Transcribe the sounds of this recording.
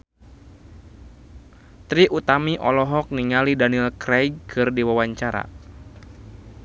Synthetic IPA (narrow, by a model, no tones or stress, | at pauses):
t̪ɾiʔut̪amiʔɔlɔɦɔk̚niŋalidanilkrɛjɡ̚kʰɨrdiwawaɲt͡ʃaɾa̰